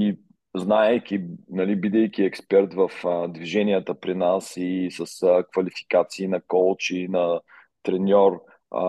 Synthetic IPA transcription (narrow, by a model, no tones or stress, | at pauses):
i | znaɛjkʲinɐlibid̪ɛjkʲiɛkspɛɾt̪vəfd̪viʒɛniət̪əpɾinasisəskvɐlifi̥kat̪siːnɐkɔlˠt͡ʃinɐ | t̪ɾɛnʲɔɾ̰